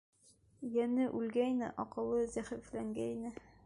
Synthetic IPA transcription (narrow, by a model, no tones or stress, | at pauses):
jænɘʔʉlɡæjnɘ̰ʔɒqɤ̆lˠɤzæχiflæŋɡænɘ